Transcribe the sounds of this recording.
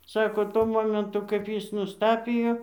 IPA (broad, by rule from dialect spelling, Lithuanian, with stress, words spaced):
ˈsɑːkoː ˈtuɔ ˈmoːmʲɛntʊ kɐɪp ˈjɪs nʊsˈtɑːpʲɪjoː